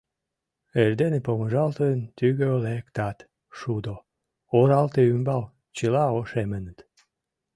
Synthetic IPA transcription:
erd̪enepoməʒɑlt̪ənt̪yɣøolekt̪ɑt̪ | ʃud̪o | oɾɑlt̪eymbɑl | t͡ɕəlɑoʃemənət̪

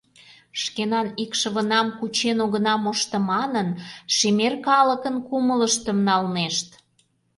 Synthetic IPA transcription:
ʃkenɑnikʃə̆βə̆nɑmkut͡ɕenoɣənɑmoʃt̪ə̆mɑnənʃemerkɑlə̆kənkumələʃt̪ə̆mnɑlneʃt̪

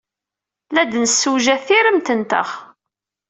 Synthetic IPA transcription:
læd̪nəsːuʒæθiɾəmt̪ənt̪ə̰χ

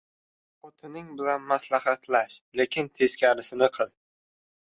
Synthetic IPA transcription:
ot̪ʰɪnɪŋbɪlanmaslahat̪ʰlaʃle̞kʲɪnt̪ʰe̞skʲaɾɪsɪnɪqʰɨlˠ

